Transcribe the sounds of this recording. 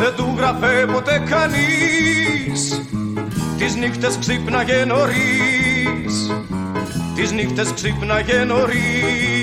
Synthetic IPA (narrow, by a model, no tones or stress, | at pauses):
ðed̪uɣɾɐfepo̞t̪ekɐni | s | t̪iznixt̪esksipnɐʝeno̞ɾi | s | t̪iznixt̪esksipnɐʝenoɾi